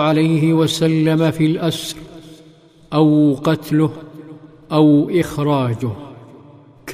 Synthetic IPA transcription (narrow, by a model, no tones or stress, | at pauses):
ʕalajɦɪwasalːamafilʔasɾˤ | ʔawqɑt̪lʊh | ʔawʔɪxɾˤɑːd͡ʒʊh | k